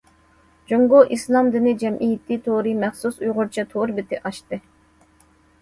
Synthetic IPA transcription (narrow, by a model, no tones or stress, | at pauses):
d͡ʒoŋɡoʔislˠɑmd̪ɪnɪd͡ʒɛmʔijit̪ʰit̪ʰoɾɨmɛχsusujʁʊɾt͡ʃʰɑt̪ʰoɾbɪt̪ʰɪʔɑʃt̪ɨ